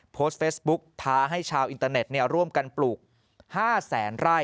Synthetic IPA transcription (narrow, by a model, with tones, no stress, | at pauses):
pʰoː˦˥st̪̚feː˦˥sbu˦˥k̚t̪ʰaː˧ɦa˥˩jt͡ɕʰaː˧wʔi˧nt̪aː˧ne˨˩t̪̚ni˥˩əɾu˥˩əmka˧npluː˨˩k̚ | haː˥˩sɛː˩˦nɾaː˥˩j